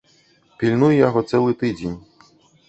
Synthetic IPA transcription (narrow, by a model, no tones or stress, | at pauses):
pʲilʲnujjaɦɔt̪sɛlˠɪt̪ɪdʲinʲ